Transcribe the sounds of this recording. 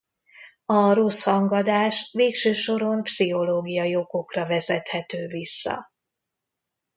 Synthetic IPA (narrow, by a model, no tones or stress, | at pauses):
ɒro̞shɒŋɡɒd̪aːʃveːkʃøːʃo̞ɾo̞mpsiɦo̞loːɡijɒjo̞ɡo̞krɒvɛzɛt̪hɛt̪øːvisːɒ̰